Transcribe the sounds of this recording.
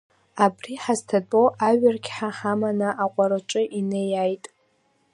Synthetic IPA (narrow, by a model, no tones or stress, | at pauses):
abriħaztʰat͡pʼoʔaɥɪrkʲʰħaħamanɨʔaqʷʼaɾɨʈ͡ʂʷʼɨʔinejajtʼ